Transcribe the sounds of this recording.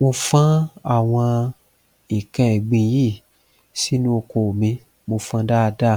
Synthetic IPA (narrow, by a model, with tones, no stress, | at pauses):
mo˧fã˦a˦˨w̃ɔ̃˧ | i˨kɛ̃˦ɛ˨ɡ͡bĩ˧ji˦˨ | si˦nũ˦o˧ko˨mĩ˧ | mo˧fã˦da˦˧da˦˨